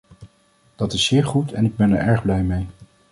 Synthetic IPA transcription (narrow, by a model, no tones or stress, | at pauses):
d̥ɑtɪsːɪːɹχutʰɛnɪɡ̚bɛnɛ̰ɹɛɹχblɛjmej